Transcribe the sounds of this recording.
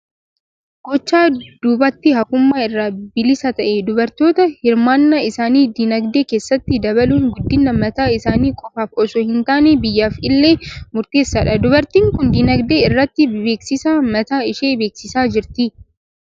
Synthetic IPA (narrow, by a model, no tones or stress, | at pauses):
ɡ̥ɔt͡ʃːaːd̪̥ʊbɐt̪ːɪhɐkʊmːaːɪrːaːbɪlɪsɐt̪ɐʔɛd̪ʊbɐɾt̪o̞ːt̪ɐhɪɾmaːnːɐɪsaːniːd̪inɐɡd̪e̞ːkeːsːɐt̪ːɪd̪ɐβɐluːŋɡʊd̪ːɪnːɐmɐt̪aːɪsaːniːkʼɔfaːfɔsʊhɪnt̪aːnebɪjːaːfɪlːe̞ːmʊɾt̪e̞ːsːɐᶑɐd̪ʊbɐɾt̪iːŋkʊnd̪inɐɡd̪e̞ːɪrːɐt̪ːɪbe̞ːksɪsaːmɐt̪aːɪʃeːbe̞ːksɪsaːd͡ʒɪɾt̪ɪ